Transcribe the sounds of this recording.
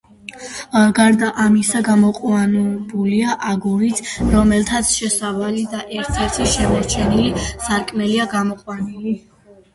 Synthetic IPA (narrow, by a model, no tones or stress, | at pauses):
ɡaɾd̪aʔamisaɡamɔqʼwanbuliaʔaɡuɾit̪ʰɾɔmɛlt̪ʰat̪sʰʃɛsavalid̪aʔɛɾt̪ʰɛɾt̪ʰiʃɛmaɾt͡ʃʰɛnilisaɾkʼmɛliaɡamɔqʼwanili